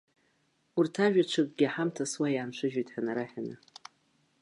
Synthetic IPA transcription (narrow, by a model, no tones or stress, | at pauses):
urtʰaʒᶣat͡ʃʷʰɨkʼɡʲɪaħamtʰaswajaːnʂʷʰɨʒᶣijtʰʼħanaɾaħanɨ̰